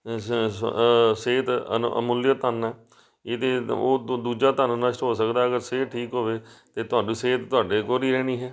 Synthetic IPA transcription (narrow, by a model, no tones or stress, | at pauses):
seːt̪ə̰ə̰mʊljət̪ənɛː | eːt̪eːoːd̪uːd͡ʒaːt̪anunəʃʈɦoːsəkd̪aːɦəɡəɾseːʈʰiːkɦoːʋeːt̪eːt̪ʊaːɖĩːseːt̪t̪ʊaːɖeːkoːɾiːɾɛːɽ̃iːɦɛː